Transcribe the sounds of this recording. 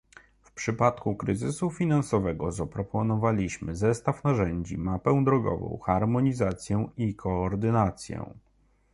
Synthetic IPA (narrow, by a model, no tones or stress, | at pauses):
fpʂɘpat̪kukɾɘzɘsufʲinansɔvɛɡɔzapɾɔpɔnɔvalʲiɕmɘzɛst̪afnaʐɛɲd͡ʑḭmapɛ̃w̃d̪ɾɔɡɔ̰vɔ̰̃w̃xaɾmɔɲizat̪sʲjɛw̃ikʰɔːɾd̪ɘnat̪sʲjɛ̰w̃